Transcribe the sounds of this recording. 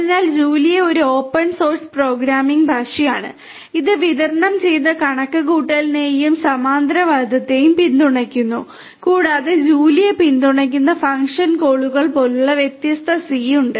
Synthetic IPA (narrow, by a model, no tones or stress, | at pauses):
inaːld͡ʑuːlijeo̞ɾuo̞ːpːɐɳso̞ːrspro̞ːɡɾaːmiŋɡbʱaːʂijaːɳɨ̰ | iðɨʋiðɐrɳɐmt͡ɕe̞jnːɐkɐɳɐkːɨɣuːʈːɐlneːjumsɐmaːnd̪ɾɐʋaːd̪ʱɐt̪ːe̞ːjumpind̪uɳɐkʲːunːu | kuːɽaːðed͡ʑuːlijepind̪uɳɐk̬ʲːunːɐfɐŋkʂɐnkoːɭuɣɐɭpo̞lːɐʋjet̪jɐst̪ʰɐsiːuɳɖɨ